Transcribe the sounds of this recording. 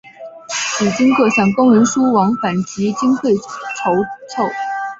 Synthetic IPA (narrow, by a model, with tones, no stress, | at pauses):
t͡ɕi˨˩t͡ɕi˥ŋkɤ˥˧ɕjɑ˥˩ŋkʊ˥ŋɻə˧˥nʂu˥wɑ˧˥ŋfa˨˩nt͡ɕi˧˥t͡ɕi˥ŋtʰwe˥˩ɪʈ͡ʂʰo˧˥ʊt͡sʰo˥˩ʊ